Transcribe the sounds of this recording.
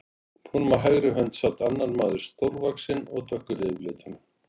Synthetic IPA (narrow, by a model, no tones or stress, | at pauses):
pʰunmaɦaɣɾʏɦœnt̪sawt̪anːaɾmaːðʏɾ̥st̪owɾvaksɪnɔɣt̪ʰœhkːʏlɪlɪːt̪ʏn